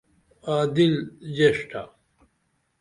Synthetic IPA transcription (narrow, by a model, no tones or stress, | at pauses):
aːd̪ild͡ʑeʂʈʰa̰